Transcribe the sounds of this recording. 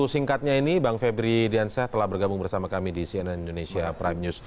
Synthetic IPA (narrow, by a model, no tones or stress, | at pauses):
usiŋkat̪̚ɲainibaŋfebɾidiansat̪əlahbərɡabʊŋbərsamakamidisiɛnɛnindonesiapɾajmɲus